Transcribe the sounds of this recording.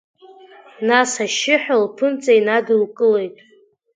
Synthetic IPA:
nasaʃɪħᶣalpʰɨnt͡sʼajnadɨlkʼɨle̞jtʼ

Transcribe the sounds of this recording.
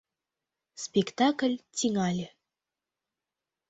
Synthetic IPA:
spʲikt̪aklʲtʲiŋɑlʲe

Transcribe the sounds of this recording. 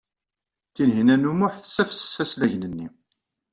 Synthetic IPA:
θinɦinænumʊħθə̥sːæfsə̥sæslæʝnənːi

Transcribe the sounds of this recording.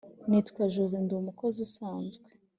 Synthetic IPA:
nitkwaʒuzendumukozusaːnzɡwe

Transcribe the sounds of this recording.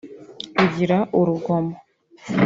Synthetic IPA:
uɟiɾaʔuɾuɡomo

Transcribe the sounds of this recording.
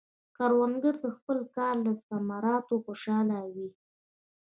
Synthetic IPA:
kɑɾwaŋɡəɾd̪əxpəlkɑɾlaɪst̪amɑɾɑt̪oxoʃɑlawi

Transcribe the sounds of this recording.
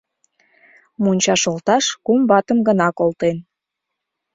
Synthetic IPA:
munʲt͡ɕɑʃolt̪ɑʃkumbɑt̪əmɡənɑkolt̪en

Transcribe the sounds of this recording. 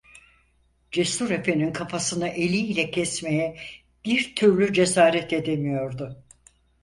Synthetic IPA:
d͡ʒest̪uɾe̞fe̞ninkʰafasɯnɯʔe̞lʲiːlʲɛcʰɛsme̞jɛ | b̥iɾt̪ʰyɾlʲyd͡ʒe̞saːɾɛt̪e̞d̪emijo̞ɾd̪ʊ

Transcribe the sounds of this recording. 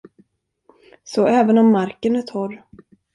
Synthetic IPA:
sɔɛːvənɔmːaɾkənæʈ̪ʰɔɾ

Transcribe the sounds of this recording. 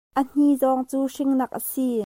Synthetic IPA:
ʔən̥izɔŋt͡suːʂɪŋnɐk̚ʔəsi

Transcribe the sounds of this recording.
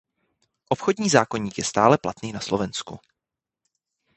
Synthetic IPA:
ʔopxodɲiːzaːkoɲiːkjɛst̪aːlɛplat̪niːnaslovɛnskṵ

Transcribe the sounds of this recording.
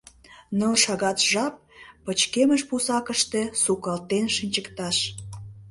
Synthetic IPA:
nəlʃɑɣɑt̪ʒɑp̚ːət͡ɕkeməʃpusɑkəʃt̪e̽sukɑlt̪enʃənʲt͡ɕəkt̪ɑʃ

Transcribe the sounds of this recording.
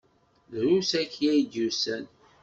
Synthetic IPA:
ðɾusæçjæjd̪usæn

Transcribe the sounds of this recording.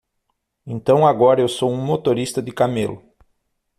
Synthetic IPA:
ẽnt̪ɐ̃w̃aɡɔɾɐewsowũmot̪oɾist̪ɐd̪ɪkamelʊ

